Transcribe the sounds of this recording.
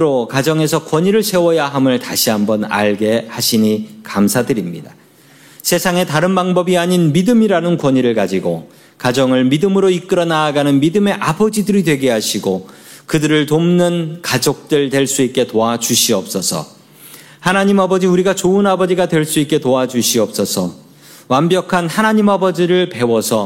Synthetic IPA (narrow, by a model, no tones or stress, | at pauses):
ɾokad͡ʑʌŋe̞sʰʌkwʌɲiɾɯɭsʰe̞wʌjaɦamɯɭtaɕʰiɦambʌna̰ɭɡe̞haɕʰiɲikamsʰadɯɾimɲida | sʰe̞sʰaŋe̞taɾɯnbaŋbʌbiaɲinmidɯmiɾanɯnkwʌɲiɾɯɭkad͡ʑiɡo | kad͡ʑʌŋɯɭmidɯmɯɾoik͈ɯɾʌnaːɡanɯnmidɯme̞ʔabʌd͡ʑidɯɾidwe̞ɡeɦaɕʰiɡo | kɯdɯɾɯɭtomnɯnkad͡ʑok̚t͈ɯɭtwe̞ɭs͈uit̚k͈e̞toad͡ʑuɕʰiʌp̚s͈ʌsʰʌ̰ | hanaɲimabʌd͡ʑiuɾiɡat͡ɕoɯnabʌd͡ʑiɡadwe̞ɭs͈uit̚k͈e̞toad͡ʑuɕʰiʌp̚s͈ʌsʰʌ | wambjʌkʰanhanaɲimabʌd͡ʑiɾɯɭpe̞wʌsʰʌ